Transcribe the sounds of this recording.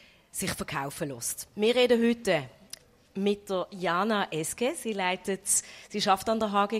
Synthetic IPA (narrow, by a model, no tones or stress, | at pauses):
sɪχfəʁkʰaʊfəlɔstmɪːɐʁeːdəɦʏtːə | mɪt̚d̥əjɑːnɑʔɛskesilaɪtətsiːʃɑftɑndəɦɑːɡe